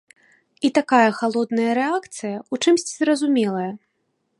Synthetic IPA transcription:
it̪akajɐxalˠɔd̪nɐjɐɾɛakt̪sɨjɐut͡ʂɨmsʲt͡sʲzrɐzumʲɛlˠɐjɐ

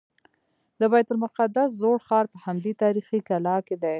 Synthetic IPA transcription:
d̪əbajt̪ʊlmʊqad̪as̬zoɽxɑɾpəhamd̪it̪ɑɾixikalɑked̪aj

